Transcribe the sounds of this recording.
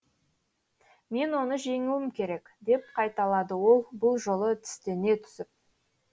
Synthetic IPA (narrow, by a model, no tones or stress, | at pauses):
me̞nwo̞nəʒe̞ŋuwɪmkʲʰe̞ɾe̞kʲ | d̪e̞p̚qʰɑjt̪ɑlˠɑd̪əwo̞lˠbʊlˠʒo̞lˠət̪ʰʏ̥st̪e̞ne̞t̪ʰʏ̥sɪp̚